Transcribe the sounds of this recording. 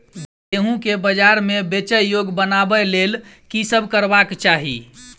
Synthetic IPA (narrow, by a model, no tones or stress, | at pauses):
eɦũkebəd͡ʒaɾmebet͡ʃəjoɡbənabəlel | kisəbʱkəɾbakt͡ʃaɦḭ